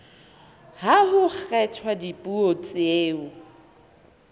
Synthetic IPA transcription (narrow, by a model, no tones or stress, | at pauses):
haɦʊχrɛtʰwadipʼuot͡sʼeːʊ